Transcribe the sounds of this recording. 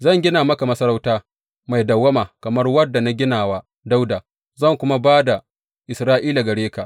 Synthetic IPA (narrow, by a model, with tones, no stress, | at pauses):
zɐ˦˨ŋɡʲɪ˦naː˨mɐ˦ka˨mɐ˦sɐ˦ɾa˦wtaː˦ | ma˨jdɐ˨wːɐ˦maː˨kɐ˨mɐ˦rwɐ˦dːa˨na˦ɡʲɪ˦naː˨waː˦ | da˦wdaː˨ | zɐ˦˨ŋkʷʊ˦ma˦baː˦da˨ | ʔɪ˨sɾaː˦ʔiː˦la˨ɡɐ˨ɽeː˦ka˨ʔ